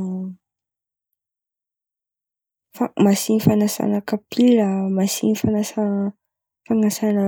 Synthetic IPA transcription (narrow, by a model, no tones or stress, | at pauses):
famasinifanasa̰nakapʰiɾamasḭnifanasa | faŋasana